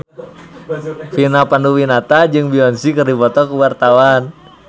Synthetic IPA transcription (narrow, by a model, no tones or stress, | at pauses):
finapanduwinat̪ad͡ʒɨŋbiɔnsikərdibɔt̪ɔkuwart̪awan